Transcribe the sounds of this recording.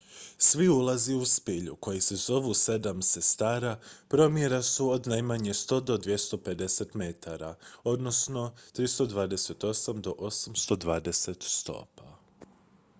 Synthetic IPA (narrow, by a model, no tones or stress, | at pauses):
sʋiulˠaziuspiʎṵko̞jise̞zo̞ʋuse̞d̪amse̞st̪aːɾapɾo̞mje̞ɾasuod̪najmaɲe̞st̪o̞d̪o̞d̪ʋje̞st̪o̞pe̞d̪e̞set̪me̞t̪ʰaɾao̞d̪no̞sno̞t̪ɾist̪o̞d̪ʋaːd̪e̞se̞t̪o̞samd̪o̞ʔo̞samst̪o̞d̪ʋaːd̪e̞set̪st̪o̞̰ːpa